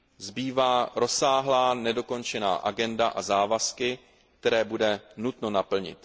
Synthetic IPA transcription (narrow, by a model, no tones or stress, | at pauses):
zbiːvaːɾo̞saːɦlaːnɛdo̞ko̞nt͡ʃɛna̰ːʔaɡɛndaʔazaːvaskɪ | k̚t̪ɛɾɛːbudɛnut̪no̞napl̩ɲɪ̰t̪